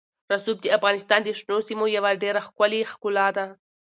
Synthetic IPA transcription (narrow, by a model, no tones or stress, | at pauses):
ɾasub̚d̪əafɣɑnɪst̪ɑnd̪əʂnosimojawaɖeɾaxkʊlixkʊlɑd̪a